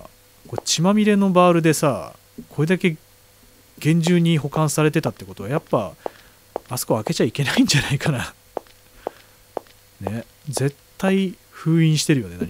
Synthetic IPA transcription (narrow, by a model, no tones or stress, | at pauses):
ko̞t͡ɕimamʲiɾe̞no̞baːɾɯ̟d̪e̞sa | kʰo̞ɾe̞d̪ake̞ | ɡ̥ẽ̞ɲ̟d͡ʑɨːɲ̟iɦo̞kãɰ̃saɾe̞t̪e̞t̪at̪ːeko̞t̪o̞ajapːa | asɨ̥koake̞t͡ɕaike̞naĩɲ̟d͡ʑanaikana | ne̞ | ze̞t̪ːai | ɸɯ̟ːĩɰ̃ɕi̥t̪e̞ɾɯ̟jo̞ne̞d̪aɾʲi